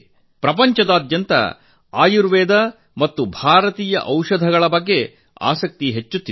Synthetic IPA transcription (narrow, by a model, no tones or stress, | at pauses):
pɾɐp̬ɐɲt͡ʃɐd̪aːd̪jɐnt̪ɐ̰ | a̰ːjuɾʋɛːd̪ɐ | mɐt̪ːubʱaːɾɐt̪iːjɐ̰ʔɐwʂɐd̪ʱɐɡɐɭɐbɐɡːe̞ | a̰ːsɐk̚t̪iɦet͡ʃːut̪ːi